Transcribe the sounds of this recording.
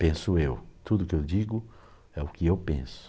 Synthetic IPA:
pẽsʊewt̪ud̪ʊkɪewd͡ʒiɡʊ | ɛʊkɪewpḛ̃sʊ̥

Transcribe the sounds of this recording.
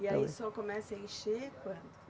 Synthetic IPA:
iaisɔkomɛsɐẽʃekwɐ̃nd̪ʊ

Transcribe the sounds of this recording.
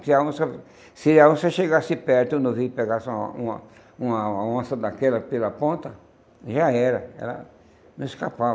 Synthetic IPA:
kɪaõsɐ | siaõsɐʃeɡasɪpɛɾt̪ʊ̃nõvipeɡasũɐ̰ | ũɐõsɐd̪akɛlɐpelɐpõnt̪ɐ | ʒaɛɾɐɛ̰lɐ̰ | ñɪskapav

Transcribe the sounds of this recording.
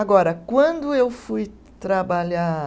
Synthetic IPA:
aɡɔɾɐkwɐ̃nd̪ʊewfuj | t̪ɾabaʎa

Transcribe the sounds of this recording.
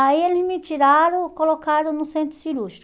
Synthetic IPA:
aielɪzmɪt͡ʃiɾaɾõw̃kolokaɾõnʊsẽnt̪ɾʊsiɾuʃt̪ɾ

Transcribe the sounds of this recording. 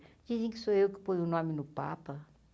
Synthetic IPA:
d͡ʒizẽkɪ̥soewkɪ̥pojʊnõmɪnʊpa̰pɐ

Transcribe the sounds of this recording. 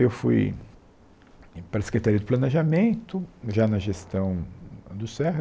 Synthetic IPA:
ewfṵj | paɾɐse̥kɾet̪aɾiɐd̪ɪplɐneʒamẽnt̪ʊʒanɐʒest̪ɐ̃w̃d̪ʊsɛhɐ

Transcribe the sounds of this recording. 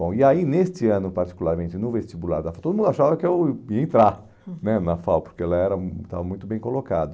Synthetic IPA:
bõw̃ɪainest͡ʃɪɐ̃nʊpaɾt͡ʃi̥kulaɾmẽnt͡ʃɪnʊvest͡ʃibula̰ɾd̪afawt̪od̪ʊmũnd̪ʊaʃavɐkɪewiẽnt̪ɾa | nɛnɐfawpoɾkeɛlɐɛɾɐ̃t̪a̰vɐmũj̃t̪ʊbẽj̃kolokad̪ɐ

